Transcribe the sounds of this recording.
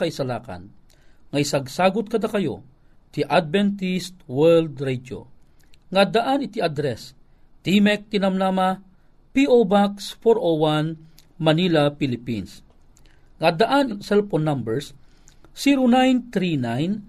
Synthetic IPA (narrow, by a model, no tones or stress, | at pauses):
ɐisɐlaːkɐ̰n | ŋɐisɐɡsaːɡʊt̪̚kɐd̪akɐjo̰ | t̪iʔad̪̚vɛnt̪ist̪wɛld̪ɾɛd͡ʒo̰ | ŋad̪aʔanɪt̪iad̪ɾɛs | t̪imɛk̚t̪ɪnɐmnama | piʔobaksfoɾʔowan | mɐnilapilɪpins | ŋad̪aʔanɪsɛlfonːambɛɹsː | iɾonajnt̪ɾinajn